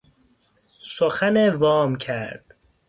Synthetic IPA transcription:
soxænevɒːmcʰæɾd̪̥

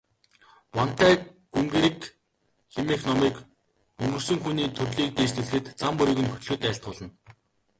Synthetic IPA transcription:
wan̥t̪æː | ɡ̥umɡeːɾik | ximexnɔmiːk | ɵŋɡɵ̆r̥sɵ̆ŋxuniːt̪ʰɵrɮiːk̚t̪eːst̪ɘ̆ɮɘ̆xɘ̆t̪t͡sampʊɾʲiːɣɘ̆nxɵ̥t̪̆ɮɵ̆t̪æːɬt̪̚ɢʊːɮə̆n

